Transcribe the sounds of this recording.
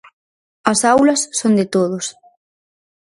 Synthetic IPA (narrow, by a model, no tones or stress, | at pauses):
ɐsawlɐsːond̪ɪt̪oð̞ʊs